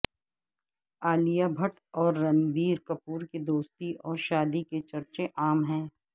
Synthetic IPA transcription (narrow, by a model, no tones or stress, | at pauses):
aːlijabʱɐʈ | ɔːɾːɐ̃nbiːɾkɐpuːɾkid̪oːst̪iʔɔːɾʃaːd̪iket͡ʃɐɾt͡ʃeʔaːmɦɛ̃ː